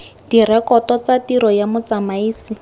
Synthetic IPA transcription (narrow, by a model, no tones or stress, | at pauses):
dirɛkɔtɔt͡satiɾɔjamʊt͡samaiːsi